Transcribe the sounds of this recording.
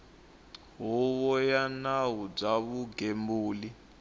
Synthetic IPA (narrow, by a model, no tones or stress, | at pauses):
ɦuβɔjanawub͡ʐaβuɡembuːli